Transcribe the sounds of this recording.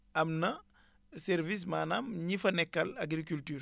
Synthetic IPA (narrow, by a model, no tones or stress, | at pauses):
ɐmnɐ | sɛɾvis̬maːnamɲifɐnɛkːɐlaɡɾikyltyːr